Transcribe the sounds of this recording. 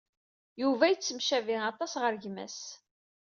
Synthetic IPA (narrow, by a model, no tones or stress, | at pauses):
juvæjət͡sːəmʃæviɑt̪ˤɑsʁəɾʝmæ̰s